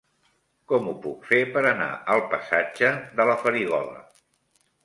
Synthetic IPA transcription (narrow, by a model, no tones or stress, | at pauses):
kɔmupukfepəɾəna̰əlˠpəsḁd͡ʒəðələfəɾiɣ̞ɔlə̰